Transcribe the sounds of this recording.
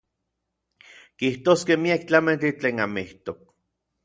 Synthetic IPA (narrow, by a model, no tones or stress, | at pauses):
kiht̪oːskehmiakt͡ɬamant͡ɬit͡ɬeːnamiht̪ok̚